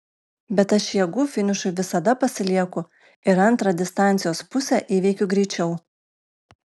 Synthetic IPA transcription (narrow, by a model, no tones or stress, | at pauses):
bʲɛt̪ɐʃjiɛɡuːfʲɪnʲɪʃʊɪʋʲɪsɐd̪ɐpɐsʲɪlʲiɛkʊ | ɪɾɐnˑt̪ɾɐd̪ʲɪst̪ɑˑnʲt̪sʲɪjoːspʊsʲɛʔiːʋʲɛɪkʲʊɡɾʲɛɪt͡ʃʲɛʊ